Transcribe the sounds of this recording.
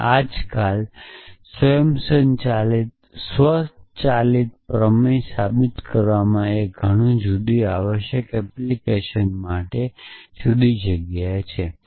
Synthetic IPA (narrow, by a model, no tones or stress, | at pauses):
ad͡ʒkalsʋəjəmsəɲt͡ʃalit̪̚ | sʋəsst̪t͡ʃalit̪̚pɾəmisabit̪kəɾʋamãeɡʱəɽ̃ũd͡ʒud̪iaʋəʃjəkɛplikeʃənmaʈed͡ʒud̪id͡ʒəɡjajt͡ʃʰe